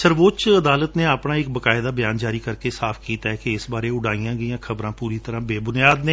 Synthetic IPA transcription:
səɾʋoːt͡ʃəd̪aːlət̪neːaːpɽaːɪk̚bəkaːɪd̪aːbɪjaːnd͡ʒaːɾiːkəɾkeːsaːpʰkiːt̪aːɛkeɪsbaːɾeːʊɽaːiːãːɡəijãːkʰəbɾãːpuːɾiːt̪əɾãːbeːbʊnijaːd̪neː

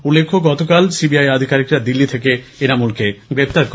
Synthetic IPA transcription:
ulːekʰːoɡɔt̪okalsibiajad̪ʱikaɾikɾad̪ilːit̪ʰekeenamulkeɡɾep̚t̪aɾko

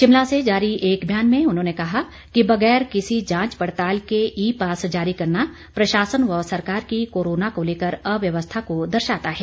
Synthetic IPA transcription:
ʃɪmlased͡ʒaːɾiʔeːkbʱjaːnmẽʊnɦõːnekɐɦa | kibɐɡɛːɾkɪsid͡ʒãːt͡ʃpɐɽt̪aːlkeʔiːpaːsd͡ʒaːɾikɐɾna | pɾɐʃaːsənʋɔːsɐɾkaːɾkikoːɾoːnakoleːkəɾɐʋjɐʋəst̪ʰakod̪ɐɾʃaːt̪aɦɛː

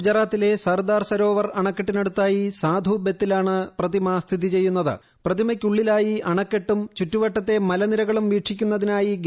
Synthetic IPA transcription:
d͡ʑɐraːt̪ːile̞sɐrd̪aːrsɐɾo̞ːʋɐrɐɳɐkːeʈːineɽut̪ːaːjisaːd̪ʱuːbjet̪ːilaːɳɨprɐðimɐst̪ʰiðit͡ɕe̞jːunːɐðɨ̰ | prɐðimɐkʲːuɭːilaːjiʔɐɳɐkːeʈːumt͡ɕutːuʋɐʈːɐt̪ːe̞mɐlɐniɾɐɣɐɭumʋiːʂʰikʲːun̪ːɐðinaːjiɡ

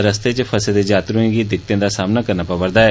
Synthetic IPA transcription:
ɾəst̪eːt͡ʃpʰəsẽd̪eːd͡ʒaːt̪ɾʊẽːɡiːd̪ɪkt̪ẽːd̪aːsaːmnaːkəɾnaːpabəɾd̪aːɛː

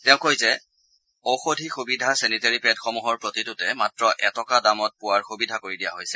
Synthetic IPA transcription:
tɛʊ̃kojzɛ | oxodʱixubidʱaseniteɹipɛtxɔmuɦɔɹpɹotidʊtɛmatɹɔʔɛtɔkadamɔt̚pʊwaɹxubidʱakoɹidija̰ɦojsɛ

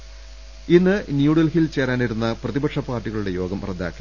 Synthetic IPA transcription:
inːɨnjuːɽɐlhilt͡ɕe̞ːɾaːniɾunːɐprɐðibɐkʂɐpaːrʈːiɣɐɭuɽe̞jo̞ːɡɐmrɐd̪ʱːa̰ːkːi

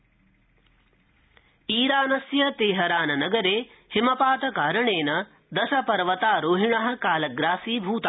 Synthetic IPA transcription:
iːɾaːnɐsjɐt̪eːɦɐɾaːnɐnɐɡɐɾeː | himɐpaːt̪ɐkaːɾɐɳeːnɐ | d̪ɐʃɐpɐɾʋɐt̪aːɾoːɦiɳɐɦɐ̆kaːlɐɡɾaːsiːbʱuːt̪a

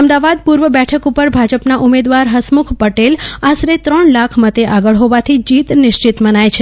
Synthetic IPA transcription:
əmd̪aʋad̪̚puɾʋəbɛʈʰəkupəɾbʱad͡ʒəpnaʔumed̪ʋaɾɦəsmukʰpəʈelasɾet̪ɾəɳlakʰmət̪eʔaɡəɭɦoʋat̪ʰid͡ʒit̪nɪʃt͡ʃit̪mənajt͡ʃʰe

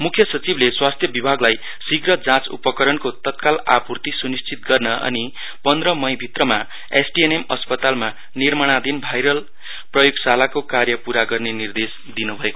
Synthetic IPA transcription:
mukʰjʌsʌt͡sibleswast̪ʰjʌbibʱaɡlaj | siɡrʌd͡zãt͡sṵpʌkʌɾʌnkot̪ʌt̪̚kala̰purt̪isunist͡sit̪̚ɡʌrnʌʌ̰ni | pʌnd̪rʌmʌjbʱit̪rʌma | ḛsʈienemʌspʌt̪alma | nirmaɽ̃ad̪ʱinbʱajɾʌl | prʌjoɡsalakokarjʌpuɾaɡʌrnenird̪es | d̪inubʱʌeko

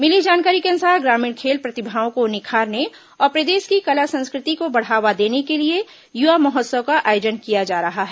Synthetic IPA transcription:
mɪlid͡ʒaːnkaːɾikeɐ̃nsaːɡɾaːmĩːɽ̃kʰeːlpɾɐt̪ɪbʱaːõkonɪkʰaːɾne | ɔːɾpɾɐd̪eːʃkikɐlasɐ̃nskɾɪt̪ikobɐɽ̤aːʋad̪eːnekelie | juʋamɐɦət̪səʋkaʔaːjoːd͡ʒənkijad͡ʒaːɾɐɦaɦɛ

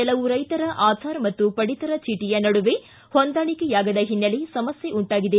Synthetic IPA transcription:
ɛlɐʋuɾɐjt̪ɐɾɐʔaːd̪ʰʱaːɾmɐt̪ːupɐɽit̪ɐɾɐt͡ʃiːʈijɐnɐɽuʋe | hond̪aːɭikejaːɡɐd̪ɐɦinːɐlesɐmɐsjeʔuɳʈaːɡid̪e

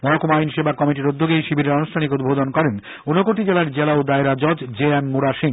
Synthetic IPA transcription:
mɔɦokumajnʃebakɔmiʈiɾud̪ʱːoɡejʃibʱiɾeɾonuʃʈʰanikud̪̚bʱod̪onkɔɾen | onokoʈid͡ʑelaɾd͡ʑelaod̪aeɾad͡ʑɔd͡ʑd͡ʑeemːuɾaʃiŋ

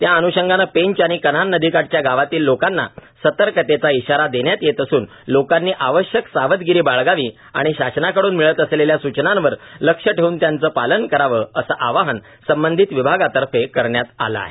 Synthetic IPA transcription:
t̪jaənuɕəŋɡanəpeɲt͡ɕaɽ̃ikənannəd̪ʱikaʈ̚t͡ɕjaɡaʋat̪iːlːokanːa̰sət̪əɾkət̪et͡saiɕaɾad̪eɳjat̪jet̪əsuːn | lokanːiːʔaʋəɕjəksaʋət̪ɡiɾiːbaɭɡaʋiː | a̰ɽ̃iɕaɕnakəɽuːnmiɭət̪əsleljasut͡ɕnãnʋəɾləkʂəʈʰeuːnt̪jant͡səːpalənkəɾaʋəəsəʔaʋaɦən | səmbənd̪ʱit̪ʋibʱaɡat̪əɾfekəɾɳjat̪a̰la̰ɦe

